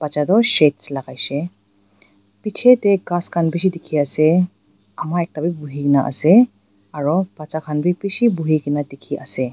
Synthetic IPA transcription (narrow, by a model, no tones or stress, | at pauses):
b̥at͡ʃadɔʃetslaɡajsɛ | pit͡ʃʰɛtɛɡaskʰanbis̬idikʰiasɛ | amaɛk̚tabibuɦiɡinaʔa̰sɛ | aɹɔbat͡ʃakʰanbipisibuɦiɡinadikʰiʔa̰sɛ